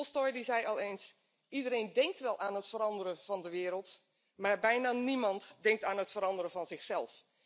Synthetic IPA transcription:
lˠstɔjdizɛjɑlˠeːns | ʔidəɾejndɛŋk̚tʋɛlˠʔaːnɦətfəɾɑndərəvɑndəʋɪːɾəlˠt | maːɹbɛjnaːnimɑntdɛŋk̚taːnɦətfəɾɑndərəvɑnzɪxsɛlˠf

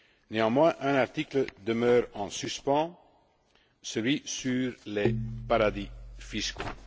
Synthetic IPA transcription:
neɑ̃mwɛ̃ʔɛ̃naʁt̪ikləd̪əmœːʁɑ̃syspɑ̃ | səlɥisyʁlepaʁad̪ifisko̰

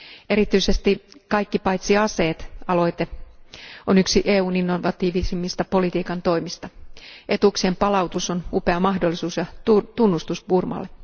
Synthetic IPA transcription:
e̞ɾit̪yisest̪ikɑjkːipɑjt̪siɑse̞ːt̪ɑlo̞jt̪e | onyksiʔeːuːninːoʋɑt̪iːʋisimːist̪ɑpo̞lit̪iːkɑnt̪o̞imist̪ɑʔe̞t̪uksiempɑlɑwt̪usonupe̞ɑmɑhdolːisuːsjɑt̪ut̪unːust̪usburmɑ̰lːe

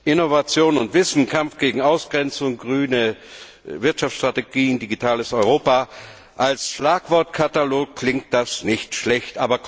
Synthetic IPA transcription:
ʔɪnovat͡sjoːnʊntv̥ɪsn̩kʰamfɡ̥eːɡŋ̩aʊsɡ̥ʁɛnt͡sʊŋɡʁyːnə | vɪɐtʃaft͡ssʃtʁ̥ateɡiːndiɡitʰaːləsɔʏʁoːpa | ʔalsʃlaːkv̥ɔɐtkʰataloːk̚kʰlɪŋt̚d̥asnɪçtʃlɛçtʔaːbɐ

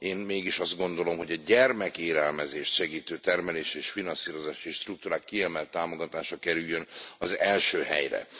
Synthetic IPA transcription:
eːnmeːɡiʃɒzd̪ɡo̞nd̪o̞lo̞mɦo̞ɟɒɟɛrmɛkeːɾɛlmɛzeːʃt̪ʃɛɡiːt̪øːt̪ɛrmɛleːʃeːʃfinɒnsiːɾo̞zaːʃieːʃt̪ruk̚t̪uːɾaːkːiɛmɛlt̪ːaːmo̞ɡɒt̪aːʃɒkɛɾyjːønɒzɛlʃøːhɛ̰jrɛ̰

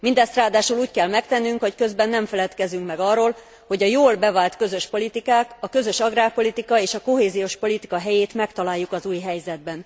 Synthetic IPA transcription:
mind̪ɛst̪raːd̪aːʃuːluːckɛlmɛkt̪ɛnːyŋkho̞ckø̞zbɛnːɛɱfɛlɛt̪kɛzyŋkmɛɡɒrːoːl | ho̞ɟɒjoːlbɛvaːlt̪kø̞zø̞ʃpo̞lit̪ikaːkɒkø̞zø̞ʃɒɡraːpo̞lit̪ikɒeːʃɒko̞ɦeːzijoːʃpo̞lit̪ikɒɦɛjeːt̪mɛkt̪ɒlaːjːukɒzuːjɦɛjzɛd̪̚bɛn

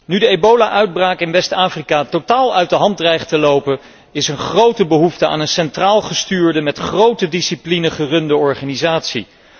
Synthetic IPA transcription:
nydəejbowlaʔœɥd̚braːkɪnʋɛstaːfrikaːtotaːlˠœɥt̚dəɦɑntrɛjχtəlowpən | ɪsənχrowtəbəɦuftəa̰ːnənsɛntraːlˠχəstyːɹdəmɛtχrowtədisiplinəχərɵndəɔɹχaːnizaːtsḭ

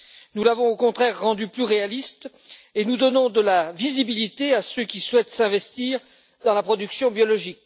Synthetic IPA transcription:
nulavɔ̃okɔ̃t̪χɛʁːɑ̃d̪yplyʁealist̪ | enud̪ɔnɔ̃d̪əlavizibilit̪easøkʲiswɛt̪sɛ̃vɛst̪iʁ | d̪ɑ̃lapχɔd̪yksjɔ̃bjɔlɔʒik̚

